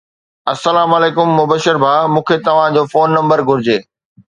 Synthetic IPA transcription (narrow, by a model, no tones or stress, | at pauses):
ɐsːɐlaːmɐleːkʊmːʊbəʃəɾbʱaːmũːkʰet̪ɐʋ̤ãd͡ʑoːfoːnːɐ̃mbəɾɡʱʊɾɪd͡ʑeː